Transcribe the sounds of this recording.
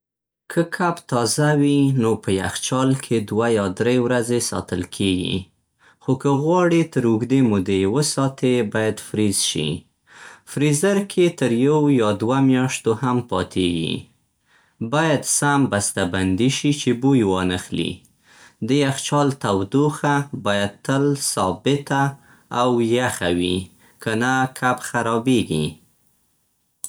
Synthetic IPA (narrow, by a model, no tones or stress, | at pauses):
kʰəkʰabt̪ɑzawinopəjaxt͡ʃɑlkʰed̪wajɑd̪ɾewɾazesɑ̰t̪əlkʰeɡḭ | xokəɣwɑɽit̪əɾʊɡd̪emud̪ewəsɑt̪ʰebɑjad̪fɾizʃḭ | fɾizaɾkʰet̪əɾjawjɑd̪wamjɑʃt̪ohampɑt̪ʰeɡḭ | bɑjad̪sambast̪aband̪iʃit͡ʃebujwɑnəxlḭ | d̪əjaxt͡ʃɑlt̪awd̪uxabɑjad̪̚t̪əlsɑbɪt̪aː | wjaxawi | kanakʰabxaɾɑbeɡḭ